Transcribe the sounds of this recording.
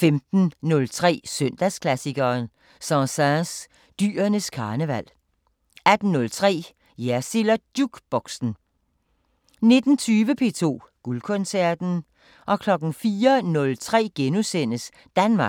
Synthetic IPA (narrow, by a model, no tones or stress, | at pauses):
femd̥n̩nɔ̽lt͡sʰʁɛ̰ːsøn̰d̥æskʰlæsiɡ̥ɐːn | sɑ̃sæs | d̥y̰ːɐnəskʰɑ̈ːnəʋæl̰ | æd̥n̩ːɔ̽lt͡sʰʁɛ̰ː | jæsilɐd̥juɡ̥b̥ɒ̽ɡ̥sn̩ | ne̝d̥n̩t͡sʰyːʋəpʰe̝̰ːt͡sʰo̝̰ː | ɡ̥ulkʰɔnsæɐd̥n̩ | ʔɒ̽kʰlɒ̽ɡ̥n̩fiːɐnɔ̽lt͡sʰʁɛ̰ːɡ̥enusen̰əs | d̥ænmɑ̥̈